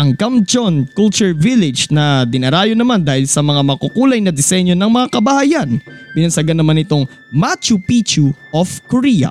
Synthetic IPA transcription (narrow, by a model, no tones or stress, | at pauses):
ʔɐŋkɐmd͡ʒonkult͡ʃʊɹvilɪd͡ʒnɐd̪ɪnɐɾaːjonɐmand̪aːhɪlsɐmɐŋamɐkukuːlɐjnɐd̪ɪsɛɲjonɐŋmɐŋakɐbɐhajanbɪnɐsɐɡanːɐmanɪt̪o̞ŋ | mat͡ʃupit͡ʃuʔofkoɾiɐ̰